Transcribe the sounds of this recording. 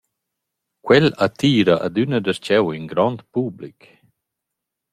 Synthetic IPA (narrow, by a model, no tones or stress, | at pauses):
kwɛlat̪iːɾaʔa̰d̪ynədəst͡ʃɛwinɡɾɔnt̪publik